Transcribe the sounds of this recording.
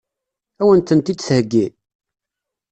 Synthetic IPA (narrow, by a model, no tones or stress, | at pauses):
æwənt̪ənt̪id̪θhəɡːi